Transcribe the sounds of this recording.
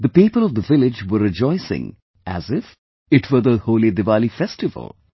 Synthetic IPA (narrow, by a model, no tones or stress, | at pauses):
d̪əpiːpəlɔvd̪əvɪlɪd͡ʒʋəɾɪd͡ʒɔɪsɪ̰̃ŋ | ʔæ̰zɪf | ɪʈʰʋəɾd̪əhoːled̪ɪʋaːlifɛsʈɪvə̰lˠ